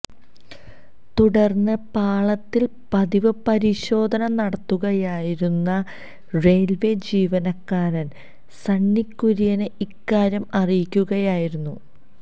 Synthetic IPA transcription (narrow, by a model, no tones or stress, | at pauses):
t̪uɽɐrnːɨpaːɭɐt̪ːil | pɐðiʋɨpɐɾiɕo̞ːd̪ʱɐnɐnɐɽɐt̪ːuɣɐjaːjiɾunːɐ | re̞ːlʋe̞d͡ʑiːʋɐnɐkːaːɾɐn | sɐɳːikːuɾijɐnɨikːaːɾjɐmɐrijikʲːuɣɐjaːjiɾunːu